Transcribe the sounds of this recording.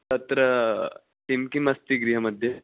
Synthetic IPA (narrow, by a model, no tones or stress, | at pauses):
t̪ɐt̪ɾə | t̪imkimɐst̪iɡɾiɦəməd̪ʱje